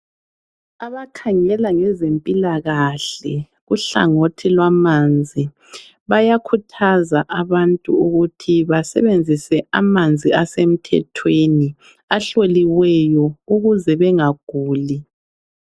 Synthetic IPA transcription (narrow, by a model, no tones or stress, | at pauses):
aβakʰaŋɛlaŋɛzempʼilaɣaɬɛ | ɣuɬa̰ŋotʰilwamand͡zʱi | βajakʰutʰazaʔaβantʼṵuɣutʰiβasɛ̰βend͡zʱisɛamand͡zʱiasem̩tʰɛ̰tʰweni | aɬoliwɛjɔuɣuzɛβɛŋaɡ̥ʱuːli